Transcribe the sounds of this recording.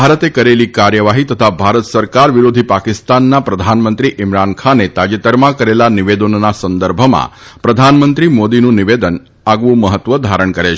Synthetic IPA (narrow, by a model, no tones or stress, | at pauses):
bʱaɾət̪ekəɾelikaɾjəʋaɦit̪ət̪ʰabʱaɾət̪səɾkaɾʋɪɾod̪ʱipakɪst̪anːapɾəd̪ʱanmənt̪ɾiʔɪmɾankʰanet̪ad͡ʒet̪əɾmãkəɾelanɪʋed̪ənːasənd̪əɾbʱəmã̰pɾəd̪ʱanmənt̪ɾimod̪inũnɪʋed̪ən | aɡʋũməɦət̪ʋəd̪ʱaɾəɳkəɾet͡ʃʰ